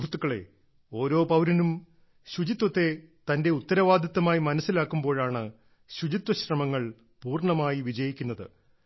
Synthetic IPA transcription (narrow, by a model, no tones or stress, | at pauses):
rut̪ːukːɐɭe̞̰ | o̞ːɾo̞ːpɐwɾɐnum | ɕud͡ʑit̪wɐt̪ːe̞t̪ɐnde̞ut̪ːɐɾɐʋaːd̪jɐt̪ːɐmaːjimɐnɐsːilaːkːumbo̞ːɻaːɳɨ | ɕud͡ʑit̪wɐɕrɐmɐŋːɐɭ | puːrɳɐmaːjiʋid͡ʑɐjikʲːunːɐðɨ̰